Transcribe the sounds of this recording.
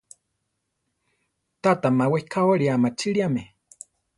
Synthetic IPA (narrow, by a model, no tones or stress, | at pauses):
t̪at̪amaweikʰawaɺiamat͡ʃʰiɺiame